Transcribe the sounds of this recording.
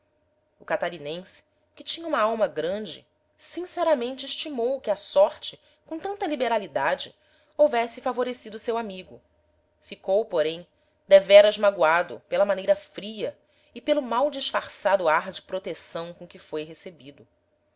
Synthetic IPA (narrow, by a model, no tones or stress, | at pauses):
ʊkat̪aɾinẽsɪ̥ | kɪt͡ʃĩɲɐũmɐawmɐɡɾɐ̃nd͡ʒɪ̰ | sĩsɛɾɐmẽnt͡ʃɪːʃt͡ʃimowkɪasɔɾt͡ʃɪ | kõt̪ɐ̃nt̪ɐlibeɾalid̪ad͡ʒɪ | ovɛsɪfavoɾesid̪ʊsewamiɡʊ | fikowpoɾẽj̃ | d̪evɛɾɐʒmaɡwad̪ʊ̰pelɐmanejɾɐfɾiɐ | ɪpelʊmawd͡ʒiʃfaɾsad̪ʊaɾd͡ʒɪpɾot̪esɐ̃w̃kõkɪfojɦesebid̪ʊ